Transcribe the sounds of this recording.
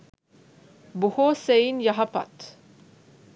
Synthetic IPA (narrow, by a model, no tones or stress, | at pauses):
buhosejinjɐɦɐpa̰t̪